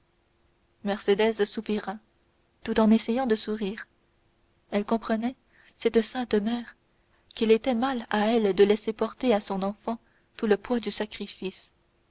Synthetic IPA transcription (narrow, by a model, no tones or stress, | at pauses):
mɛʁsed̪ɛzsupiʁa | t̪ut̪ɑ̃nesɛjɑ̃d̪əsuʁiːʁ | ɛlkɔ̃pχənɛ | sɛt̪əsɛ̃t̪mɛːʁ | kilet̪ɛmalaɛld̪əlɛsepɔʁt̪easɔ̃nɑ̃fɑ̃ | t̪uləpwad̪ysakχifis